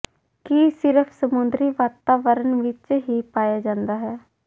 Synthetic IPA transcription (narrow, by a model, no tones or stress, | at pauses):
kisɪɾəpʰsəmʊnd̪ɾiːʋaːt̪aːʋəɾənʋɪt͡ʃɦiːpaːjaːd͡ʒãːnd̪aːɦɛː